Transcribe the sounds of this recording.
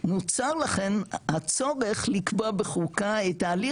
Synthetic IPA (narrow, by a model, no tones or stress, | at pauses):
not͡saʁlaχenhat͡so̞ʁeχlikbobeχukaet̪aːli